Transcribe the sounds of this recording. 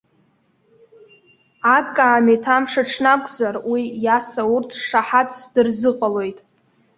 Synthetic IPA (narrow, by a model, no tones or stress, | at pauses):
akʼːaːmetʰamʂaʈ͡ʂʰnakʷʼzarwijasaurtʰʂaħatʼʰsdɨrzɨqʼalo̞jtʼ